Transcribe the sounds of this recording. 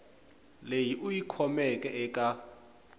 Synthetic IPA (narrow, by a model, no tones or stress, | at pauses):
lejiʔujikʰɔmɛkʼɛɛkʼa